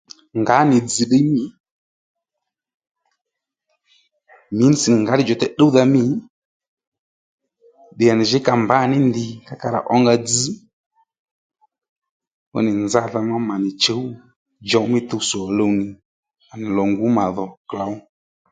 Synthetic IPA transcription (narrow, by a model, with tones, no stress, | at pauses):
ŋɡa˨˦nɪ˨d͡zi˨ɗe˦mi˦ | mɪ˨˦n˨si˨ŋɡa˨˦ɗɪ˦d͡ʒɔ˨tɛ˨ɗə˦u˦ða˧mɪ˦ | ɗɪ˨a˨nɪ˨ʒɪ˨˦ka˨mba˨˦˨nɪ˦ndɪ˨ka˦ka˧ɾa̰˨ʔɔ˦ŋɡa˧d͡zi˦ | ɔ̰˦nɪ˨nza˧ða˧ma˦ma˨nɪ˨t͡ʃə˨˦u˦ | d͡ʒɔ˨˦mɪ˦t̪ə˧sɔ˨lə˧wnɪ˨ | a˨nɪ˨lɔ˨ŋɡu˨˦ma˨ðɔ˨kla˨˦w